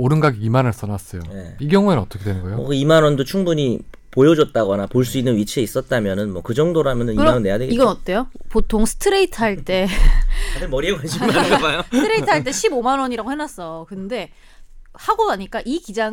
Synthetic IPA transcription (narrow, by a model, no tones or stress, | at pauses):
oɾɯnɡaɡiimanʌɭs͈ʌnas͈ʌjoje̞iɡjʌŋuenɯnʌt͈ʌkʰedwenɯnɡʌjoʌkɯimanʌndot͡ɕʰuŋbuɲi | pojʌd͡ʑʌt̚t͈aɡʌnapoɭs͈uinːɯnɥit͡ɕʰeis͈ʌt̚t͈amjʌnɯnmwʌkɯd͡ʑʌŋdoɾamjʌnɯnikɯɾʌanʌnːe̞jadweɡiɡʌnʌt͈e̞jopotʰoŋsʰɯ̥tʰɯɾe̞itʰɯɦaɭt͈e̞ | adɯmʌɾieɡoad͡ʑʰimaɡmajotʰɯɾe̞itʰɦaɭt͈e̞ɕʰibomanwʌɲiɾaɡohenas͈ʌkɯnde̞ | haɡonaɲik͈aʔikid͡ʑaŋ